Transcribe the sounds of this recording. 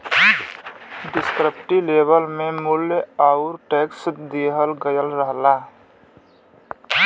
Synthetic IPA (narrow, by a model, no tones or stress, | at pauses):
ɖɪskɾəpʈileːbəlmẽmʊljaʊɾʈeːksd̪eɦəlɡəjəlɾəɦla